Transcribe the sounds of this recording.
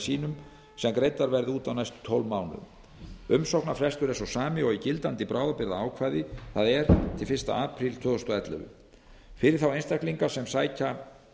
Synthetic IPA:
siːnʏm | sɛmkɾejt̪aɾvɛɾðɪuːt̪awnajst̪t̪ʰːɔlmaːwnʏ̰m | ʏmsowknafɾɛst̪ʏɾɛnsɔsaːmɪɔɣicɪlt̪ant̪ɪpɾʔaːwðapɪɾðaaːwkʰvaːjðɪθaðɛɾ̥t̪ʰɪlfɪr̥st̪a̰aːpʰɾilt̪ʰvœːðɔst̪ɔaɛt̪lɛ̰vʏ̰ | fɪɾɪɾ̥θawejnst̪ahkliŋkasɛmsaːjca

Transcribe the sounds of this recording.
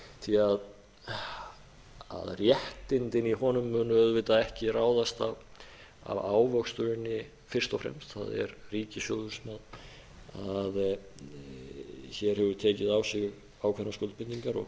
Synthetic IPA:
θʰiað | a̰ðrjɛht̪ɪnt̪ɪniɦɔnʏmːʏːnʏœðvɪt̪aðɛhcɪraːwðast̪av | a̰vaːwvœkst̪ʏɾɪnːɪ | fɪr̥st̪ɔfɾɛ̰mst̪θa̰ðɛ̰ɾriːcɪsjoːwðʏɾ̥smað | að | çɛɾ̥hɛvʏɾt̪ʰeːcɪðawsɪɣ | awkʰvɛɾnːaskɔwlpɪnt̪iŋkaɾɔ̰ɣ

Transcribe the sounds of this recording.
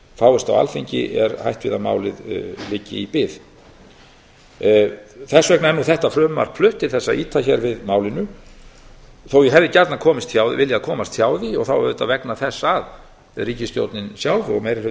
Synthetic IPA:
faːwɛst̪a̰wa̰lfiɲcɪ̰ʔɛɾhajht̪vɪðama̰ːwlɪðlɪːcɪ̰ipɪð | θɛsvɛknaɛnuθɛht̪afɾœːmma̰ɾ̥pʰlʏht̪ɪɾ̥θɛsːaʔiːt̪ʰaçɛɾvɪðmaːwlɪnʏ | θowjɛɦɛvðɪcaɾt̪nakʰɔːmɪst̪θjaːwðɪ̰vɪljaaðkʰɔːmast̪θjaːwðɪɔɣθawɛɾʏt̪aðvɛknaθɛsːaað | ɛðriːcɪst̪jo̰wt̪nɪnsjaːwðɔ̰ɣmejɾɪ

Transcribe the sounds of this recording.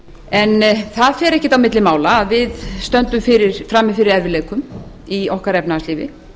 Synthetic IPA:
ɛnθaðfɛːɾɛhcɪ̥t̪awmɪt̪lɪmaːwlaːðvɪðst̪œnt̪ʏmfɪɾɪɾ̥fɾaːmːɪfɪːɾɪɾɛɾvɪleːjkʏm | iɔhkaɾɛpnaːsliːvɪ̰

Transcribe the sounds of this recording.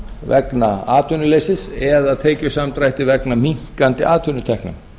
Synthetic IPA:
vɛknaaːt̪ʰʏnʏleːjsɪsɛðaðt̪ʰeːjcʏsamt̪ɾajht̪ɪvɛknamiŋ̥kant̪ɪʔaːðt̪ʰʏnʏt̪ʰɛhknʏ̰m

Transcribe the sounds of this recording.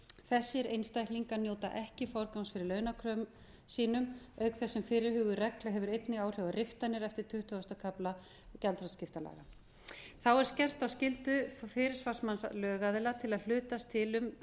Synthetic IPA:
θɛsːɪɾejnst̪ajhkliŋkanjoːwt̪a̰ʔɛhcɪfɔɾkansfɪɾɪɾlœːɥnakʰɾœm | siːnʏm | œɥkθɛsːɪmfɪːɾɪhʏːɣʏrɛklaɦɛvʏɾejt̪nɪɣaːwr̥jɔvarɪft̪anːɪɾɛft̪ɪɾ̥t̪ʰʏht̪ʏɔst̪akʰapla | calt̪ɾɔscɪft̪ala̰ɣa | θawɛɾ̥scɛr̥t̪awscɪlt̪ʏfɪːɾɪɾ̥svḁsmanslœːɣaðɪlat̪ʰɪlaðl̥ʏːt̪ast̪ʰɪlʏm

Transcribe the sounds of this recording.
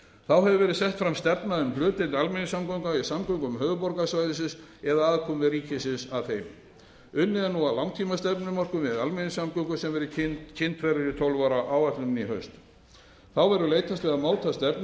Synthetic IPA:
θawɦɛvɪvɛːɾɪðsɛht̪fɾamst̪ɛɾpnaʏmplʏːt̪ɪnalmɪnɪsamkɔwŋkaisamkɔwŋkʏmɦœːvʏpɔɾkasvajðɪsɪns | ɛðaaðkʰɔmvɪðriːcɪsɪnsaðθejm | ʏnːɪðanuawlawŋt̪ʰimast̪ɛpnʏmɔr̥kʏmvɛðalmɛnɪsamkɔŋkʏsɛmvɛɾɪcʰɪnt̪cʰɪnt̪fɛɾɪɾɪt̪ʰowlvaɾaʔaːwat̪lʏmniɦœɥst̪ | θawvɛɾʏlejt̪ʰast̪vɛðamoːwt̪ʰast̪ɛɾpn

